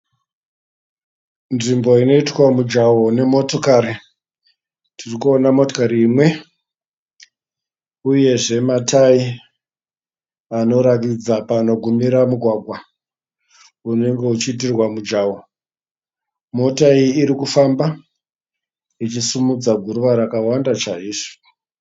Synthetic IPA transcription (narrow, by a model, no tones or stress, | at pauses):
nʐimbo̞ino̞itwamud͡ʒawo̞ne̞mo̞to̞kaɾi | tʰirikuo̞namo̞tokaɾiːmwe̞ | uje̞ʐe̞matʰai | ano̞ɾakid͡zapano̞ɡʱumiɾamuɡʱwaɡʱwa | une̞ŋɡe̞ut͡ʃiːt̬irwamud͡ʒawo̞ | mo̞taiiːɾikufamba | it͡ʃisumud͡zaɡʱuɾuʋaɾakawandat͡ʃaiːʐo̥